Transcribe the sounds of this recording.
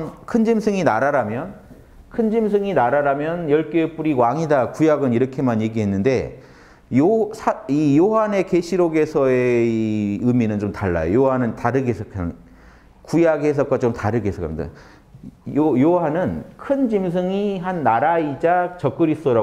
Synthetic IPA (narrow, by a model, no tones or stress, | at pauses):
kʰɯnd͡ʑimsʰɯŋinaɾaɾamjʌn | kʰɯnd͡ʑimsʰɯŋinaɾaɾamjʌnjʌɭk͈oep͈uɾiwaŋidakujaɡɯniɾʌkʰe̞manje̞ɡiɦe̞nːɯnde̞̰ | josʰaijoɦane̞keɕʰiɾoɡe̞sʰʌe | ɯminɯnt͡ɕomtaɭːa̰jo̰joɦanɯntaɾɯɡesʰʌkʰa | kujaɡɦes̬ʰʌk͈̚wat͡ɕomtaɾɯɡesʰʌkʰːa̰mida̰ | ojoɦanɯnkʰɯnd͡ʑimsʰɯŋiɦanːaɾaid͡ʑat͡ɕʌk͈ɯɾisʌɾa